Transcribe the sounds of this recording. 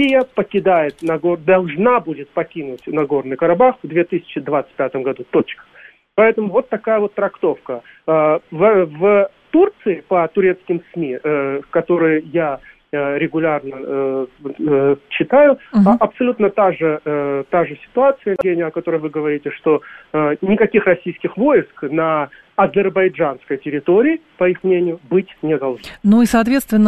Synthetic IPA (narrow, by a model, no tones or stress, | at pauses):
sʲijəpəkʲɪd̪ajɪt̪nɐɡo̞rd̪ɐlˠʐnabudʲɪt̪̚pɐkʲinʊtʲnɐɡo̞rnɨjkəɾɐbaxvd̪vʲe̞t̪ɨsʲɪ̥t͡ɕɪd̪vat̪sɨ̥t̚ʲpʲat̪əmɡɐd̪ut̪o̞t͡ɕkə̥ | pɐɛt̪əmʊvo̞t̪ːɐkajəvo̞t̪ːɾɐkt̪o̞fkə | vv | t̪urt̪sɨɪpət̪ʊɾʲet̪skʲɪmsmʲikɐt̪o̞ɾɨjja | ɾʲɪɡʊlʲarnə | t͡ɕːɪt̪ajʊɐpsɐlʲut̪nət̪aʐɨt̪aʐɨsʲɪ̥t̪ʊat̪sɨjəɡʲenʲɪjəɐkɐt̪o̞ɾəjvɨɡəvɐɾʲitʲɪʂt̪o̞nʲɪkɐkʲixrɐsʲijskʲɪxvo̞jɪsknə | ɐzʲɪrbɐjʐanskəjtʲɪɾʲɪt̪o̞ɾʲɪːpɐixmnʲenʲɪjʊbɨtʲnʲɪd̪ɐlˠʐnanuisɐːt̪vʲe̞t̪st̪vʲɪnːə